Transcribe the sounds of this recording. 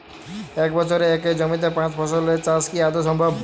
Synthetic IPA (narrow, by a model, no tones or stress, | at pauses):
ekbɔt͡ɕʰoɾeeked͡ʑɔmit̪epãt͡ɕbʰʱɔsolet͡ʃaskiad̪osɔmbʱɔb